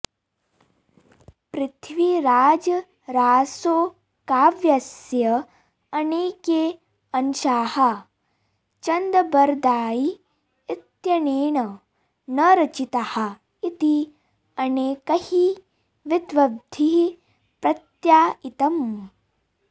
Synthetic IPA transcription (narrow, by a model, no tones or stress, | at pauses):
pɾɪt̪ʰʋiɾaːd͡ʒɐ | ɾaːsoː | kaːʋjɐsjɐ | ɐneːkeː | ɐnʃaːhɐ | t͡ʃɐnd̪ɐbɐɾd̪aːji | ɪt̪jɐneːɳɐ | nɐɾɐt͡ʃit̪ɐhɐ̆ | it̪i | ɐneːkɐhi | ʋɪd̪ʋɐb̚d̪ʱi | pɾɐt̪jaːit̪ɐm